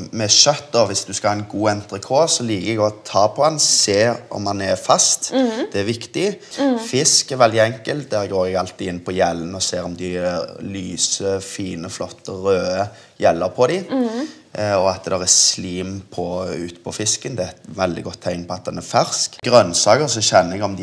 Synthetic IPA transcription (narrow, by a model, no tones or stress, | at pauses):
mɛʃœt̪̚ːd̪ɔʋɪsd̪ʉskɑhɑːɛnɡuːɛnt̪ɾəkʰoːsɔliːkəɛɡɔt̪ʰɑːpʰɔɛnseːɔ̰mhɑnɛɾfɑst̪d̪̥ɛæɾʋɪkt̪ɪfɪskɛɾʋɛld̪ɪɛŋkəlt̪̚d̪æːɾɡoːɾɛɡɑlt̪ɪɪnːpʰɔjɛlːənɔseːɾɔmd̪ɪlyːsəfiːnəflɔt̪ːəɾøːə | jɛlːəɾpʰɔd̪ɪ | ɔɑt̪d̪ɑʁɛsliːmpʰɔʉ̰ːt̪pʰɔfɪskənd̪ɛɛt̪ʋɛld̪ɪɡɔt̪ʰːæɪnpʰɔɑt̪̚d̪ɛnæɾfæʁskɡɾœnsɑːkəɾsɔʃɛnːəɛɡɔmd̪ɪ